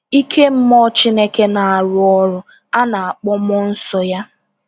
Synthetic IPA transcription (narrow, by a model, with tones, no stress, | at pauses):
i˦kʰe˦m̩˦mɔ˦t͡ʃi˦ne˦ke˦na˨a˨ɾʊ˦ɔ˦ɾʊ˦ | a˦na˨a˨k͡pɔ˦mɔ˦n̩˦sɔ˦ja˦